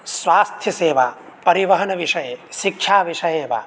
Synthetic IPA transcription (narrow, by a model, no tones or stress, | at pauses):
swaːst̪ʰjɐseːʋa | pɐɾiʋɐɦɐnɐʋiʃɐjeʃikʃʰaːʋiʃɐjeːʋa̰